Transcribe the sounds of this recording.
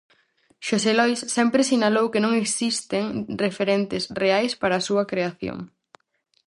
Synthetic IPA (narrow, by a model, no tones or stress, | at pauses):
ʃoselɔjsːɛmpɾɪsinalowkenõŋeksist̪eŋrefeɾɛnt̪ɪsreajspaɾɐaːsuɐkɾeaθjo̰ŋ